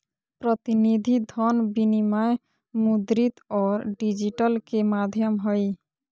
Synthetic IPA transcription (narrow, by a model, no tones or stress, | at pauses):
pɾɔt̪inid̪ʱid̪ʱɔnbinimae | mud̪ɾit̪ɔɾɖid͡ʑiʈɔlkemad̪ʱjɔmɦɔj